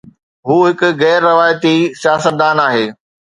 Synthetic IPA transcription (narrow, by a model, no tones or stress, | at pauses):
ɦuːɦɪkʊ̆ɣɛːɾːɐʋaːjt̪isjaːsət̪̚d̪aːnaːɦeː